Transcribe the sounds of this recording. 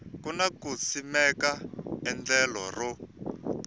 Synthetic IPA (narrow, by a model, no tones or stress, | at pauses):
kunakut͡sʰimɛkaɛnd͡ɮɛlɔ̰rɔ